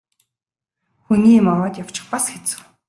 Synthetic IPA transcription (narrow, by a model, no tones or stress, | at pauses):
xuniːmawɔːt̪jaw̥t͡ɕɪ̥̆χpasxet͡sɘ̥̆w